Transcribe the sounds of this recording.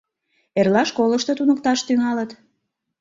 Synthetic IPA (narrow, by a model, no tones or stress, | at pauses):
erlɑʃkoləʃt̪ot̪unəkt̪ɑʃt̪yŋɑlət̪